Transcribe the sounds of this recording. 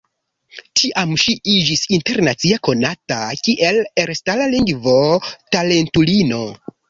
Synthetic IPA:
t͡ʃiʔamʃiid͡ʒisinte̞ɾnat͡siako̞natakiʔeleɾstalaliŋɡvo̞tale̞ntulino̞

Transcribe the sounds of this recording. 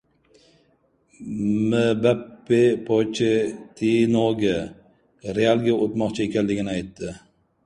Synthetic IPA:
mɪbapːepʰot͡ʃʰɪt̪ʰinoɡʲɪ | ɾealˠɡʲaot̪mɒqt͡ʃʰaekʲʰanlɪɡʲɪnɪajt̪ːɪ

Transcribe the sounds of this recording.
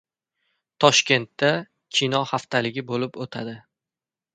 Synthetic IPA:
t̪ʰɒʃkʲe̞nt̪ːa | kʲʰinɒhaft̪ʰalɪɡʲɪbolɪpot̪ʰad̪ɪ

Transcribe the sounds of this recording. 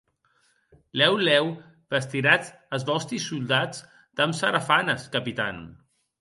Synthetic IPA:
lɛwlɛw | bəst̪iɾat͡s | əzβɔst̪isulˠd̪ad͡z | d̪əmsəɾafanəskəpit̪an

